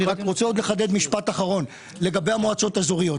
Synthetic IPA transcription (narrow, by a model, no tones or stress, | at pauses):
ʁakʁo̞t͡seo̞d̪le̞χad̪e̞d̪miʃpat̪aχaʁo̞n | le̞ɡabejamoat͡so̞t̪azoʁijo̞t